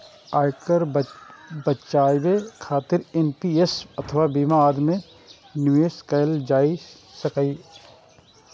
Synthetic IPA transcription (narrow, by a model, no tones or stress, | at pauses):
aːɪkəɾ | bətt͡ʃaːjbekʰaːt̪ɪɾenpiesɐt̪ʰəʋabiːmaɾmẽ | njueskajld͡ʒaːi | sɐkaiː